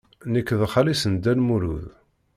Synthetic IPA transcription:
nəkːəðχalisənd̪ænmuɾṵð

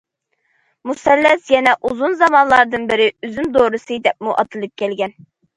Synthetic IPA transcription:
musɛlːɛsjɛnɛʔuzunzɑmɑnlˠɑɾd̪ɨnbɪɾɪyzymd̪oːɾɨsɨd̪ɛp̚muʔɑt̪ʰɨlˠɨp̚kʲʰɛlɡʲɛn

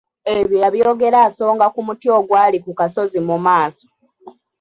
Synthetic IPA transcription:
eβiɾaβjo̞ːɡe̞ɾaːso̞ːŋɡakumutjo̞ɡwaːlikukaso̞zimumaːso̥

